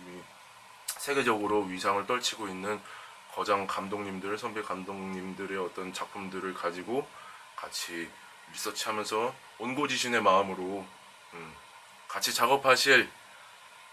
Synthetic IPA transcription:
i | sʰe̞ɡe̞d͡ʑʌɡɯɾoɥisʰaŋɯɭt͈ʌɭt͡ɕʰiɡoinːɯn | kʌd͡ʑaŋkamdoŋɲimdɯɾsʰʌmbikamdoŋɲimdɯɾe̞ʌt͈ʌnt͡ɕak̚pʰumdɯɾɯɭkad͡ʑiɡo | kat͡ɕʰi | mis͈ʌt͡ɕʰiɦamjʌnsʰʌ | onɡod͡ʑiɕʰine̞maɯmɯɾo | ɯ | kat͡ɕʰit͡ɕaɡʌpʰaɕʰiɭ

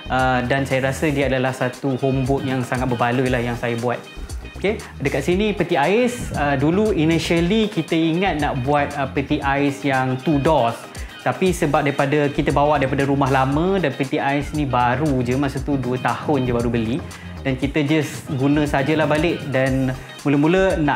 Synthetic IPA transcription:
ʔədansajaɾasədiəadalahsat̪uhombʊt̪̚jaŋsaŋat̪̚bəbalujlahjaŋsajabuat̪̚oke | dəkat̪̚sinĩpət̪iaɪsəduluiniʃəlikit̪əiŋat̪̚naʔbuat̪̚əpit̪iʔasjaŋt̪udɔs | t̪apisəbap̚daɾipadəkit̪əbawaʔdaɾipadəɾumaɦlamə̃danpit̪iaisnĩbaɾud͡ʒəmasət̪uduət̪ahʊnd͡ʒəbaɾubəli | dankit̪əd͡ʒasɡunə̃sad͡ʒəlahbalɪʔ̚dan | muləmũlənaʔ

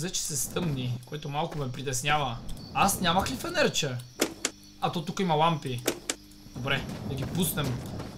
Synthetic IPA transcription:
zɛt͡ʃɛ̥sɛst̪ɤmnikoit̪omalˠkʊmɛpɾit̪ɛsnʲavɐasnʲamɐxlifɛnɛɾt͡ʃə | ɐt̪ɔt̪ukəimɐlˠampi | d̪̥obɾɛd̪ɐɡʲipusnɛm

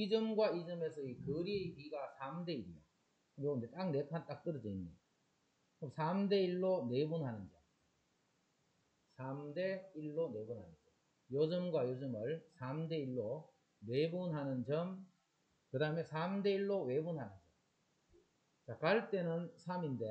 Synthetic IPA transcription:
id͡ʑɯmɡwaid͡ʑɯme̞s̬ʰʌikɯɾiekiɡasʰamde̞iɾijo̰ | kɯmjoɯndet͈ak̚ne̞kʰant͈ak̚t͈ɯɾɯd͡ʑʌinːe | kɯmsʰamde̞iɭːone̞bunɦanɯnd͡ʑo | sʰamde̞iɭːone̞bunɦanɯnd͡ʑo | jod͡ʑɯmɡwajod͡ʑɯmɯɭsʰamde̞iɭːo | ne̞bunɦanɯnd͡ʑʌm | kɯdaɦɯmesʰamde̞iɭːowe̞bunɦanɯnd͡ʑʌm | t͡ɕakaɭt͈e̞nɯnsʰaminde̞

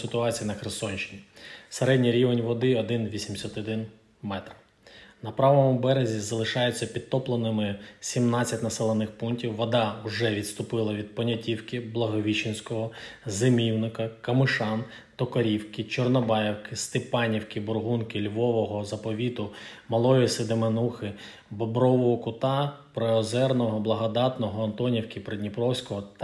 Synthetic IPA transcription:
sɪt̪ʊɑt͡sʲijɐnɐxɾɪsɔnʲʃɪnʲiseɾɛdʲnʲiɾʲiʋenʲʋɔd̪ɪɔd̪ɪnʋʲisʲimsʲɐt̪ɔd̪ɪn | mɛt̪ɾɐ | nɐpɾɑʋɔmʊbɛɾezʲizɐlˠɪʃɑjet͡sʲːɐpʲid̪̚t̪ɔplˠɐnɪmɪsʲimnɑt͡sʲːɐtʲnɐsɛlˠenɪxpuntʲiwːɔd̪ɑwʒɛʋʲid̪t̪st̪ʊpɪlˠɐʋʲid̪̚pɔnʲɐtʲiwkɪblˠɐɦɔʋʲit͡ʃɪnʲsʲkɔɦɔzemʲiwnɪkɐkɐmɪʃɑn | t̪ɔkɔɾʲiwkɪt͡ʃɔrnɔbɑjɛwkɪst̪ɪpɑnʲiwkɪbɔrɦunkɪlʲʋɔʋɔɦɔzɐpɔʋʲit̪ʊmɐlˠɔjisɪd̪emenuxɪ | bɔbɾɔʋɔɦɔkʊt̪ɑpɾɔɔzɛrnɔɦɔblˠɐɦɔd̪ɑt̪nɔɦɔɐnt̪ɔnʲiwkʲipɾedʲnʲipɾɔwsʲkɔɦɔt̪

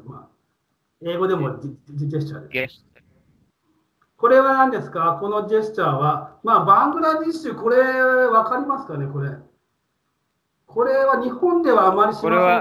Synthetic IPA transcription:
ma̰ | e̞ːɡo̞d̪e̞mo̞d͡ʑest͡ɕa̰ːd̪es | ko̞ɾe̞βanãnd̪e̞sɨ̥kako̞no̞d͡ʑe̞ɕt͡ɕaːβamaːbãŋɡɯ̟ɾaɲʲiɕɨːko̞ɾe̞βakaɾʲimasɨ̥kane̞ko̞ɾe̞ | kʰo̞ɾe̞βaɲ̟ihõ̞nd̪e̞βaːmaɾʲiɕima

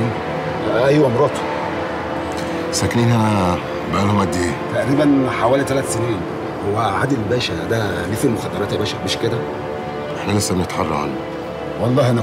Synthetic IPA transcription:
ʔʔæjwæmɾˤɑːt̪ˤ | sækniːnhæ | bæʔælhomːæd̪ːeːt̪æʔɾiːbænħawæːlit̪ælæt̪seniːn | howːæʕad̪ilbæːʃæd̪æliːfilmoxæd̪ːɑɾˤɑːt̪jæjbæːʃækbeʃked̪æ | ʔeħnælesːæbenet̪ħɑrˤːɑ̰ʕa̰lːu | wɑlˤːɑːhʔænæ

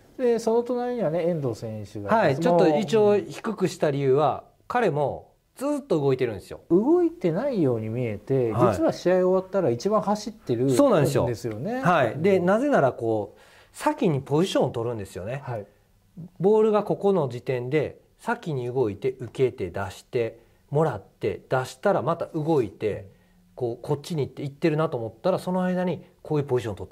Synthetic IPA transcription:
d̪e̞so̞no̞t̪o̞naɾʲiɲ̟iβaneẽ̞nd̪o̞ːsẽ̞ɕɨɡahait͡ɕo̞tːoit͡ɕioːçi̥kɯ̟kɯ̟ɕi̥t̪aɾʲijɯ̟ːβa | kaɾe̞mo̞ | d͡zɨːt̪ːo̞ɯ̟ɡo̞it̪e̞ɾɯ̟̃nd̪e̞sɨjo̞̰ɯɡo̞it̪e̞naijo̞ːɲ̟imʲie̞t̪e̞hd͡ʑiit͡sɨβaɕiaio̞βat̪ːaɾait͡ɕibãɰ̃haɕit̪ːe̞ɾɯ̟so̞ːnãnd̪es̬ɨjo̰d̪esɨjo̞ne̞haid̪e̞naze̞naɾako̞ː | sakʲiɲ̟ipo̞ʑiɕõ̞ot̪o̞ɾɯ̟̃nd̪e̞sɨjo̞ne̞ai | bo̞ːɾɯ̟ɡako̞ko̞no̞d͡ʑit̪ẽ̞nd̪e̞ | sakʲiɲ̟iɯ̟ɡo̞it̪e̞ʔɯ̟ke̞t̪e̞d̪aɕi̥t̪e̞ | mo̞ɾat̪ːe̞̰d̪̥aɕi̥t̪aɾamat̪aʔɯ̟ɡo̞it̪e̞ | ko̞ːkʰo̞t͡ɕːiɲ̟iːt̪ːe̞it̪ːe̞ɾɯ̟nat̪o̞ːmo̞t̪ːaɾaso̞no̞aid̪aɲ̟iko̞ːjɯ̟ːpoʑiɕõnt̪ot̪ːe

